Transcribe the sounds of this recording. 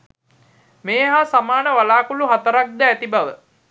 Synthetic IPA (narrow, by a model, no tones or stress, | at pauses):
meːɦasamaːnəʋalaːkuluɦat̪əɾak̚d̪əːt̪ibaʋə̰